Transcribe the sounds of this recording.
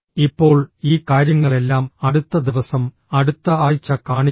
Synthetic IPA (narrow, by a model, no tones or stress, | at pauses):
ipːo̞ːɭiːkaːɾjɐŋːɐɭe̞lːaːmɐɽut̪ːɐd̪iʋɐsɐm | ɐɽut̪ːɐaːɻt͡ɕːɐkaːɳi